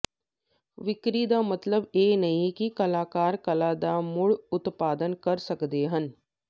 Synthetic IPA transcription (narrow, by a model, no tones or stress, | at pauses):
ʋɪkɾid̪amɐt̪ləbeːnɐɦĩkikɐlaːkaːɾkɐlaːd̪amʊɭʊt̪paːd̪ənkɐɾsəkd̪eɦən